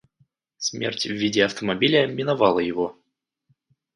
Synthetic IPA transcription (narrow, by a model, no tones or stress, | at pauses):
smʲḛrtʲvːʲidʲɪɐft̪əmɐbʲilʲɪəmʲɪnavɑlˠəjɪvo